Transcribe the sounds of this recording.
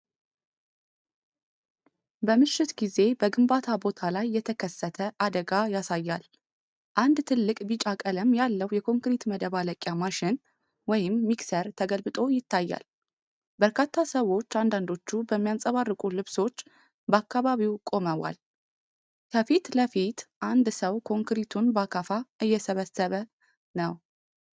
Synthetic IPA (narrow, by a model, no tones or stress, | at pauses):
bəmɨʃːɪt̪ɡize̞bəɡɨmbat̪ʰabo̞t̪ʰalajːɛt̪ʰəkʰəsːət̪ʰəʔad̪əɡajasajːal | ʔand̪t̪ʰɨlːɨkʼbit͡ʃʼakʼələmjalːəwjɛkʰo̞ŋkɾit̪məd̪əβaləkʼjamaʃɪn | wɔjɪmːiksəɾt̪ʰəɡəlbɨt̪ʼo̞jɪt̪ʰːajːa̰l | bəɾkʰat̪ʰːasəwo̞t͡ʃːand̪and̪o̞t͡ʃːubəmːijansʼəβarːɨkʼulɨβso̞t͡ʃː | bəakʰːaβaβiwkʼo̞məwa̰l | kʰəfit̪ləfit̪ʔand̪səwkʰo̞ŋkɾit̪ʰunbakʰafaʔɨjːɛsəβəsəβə | nəw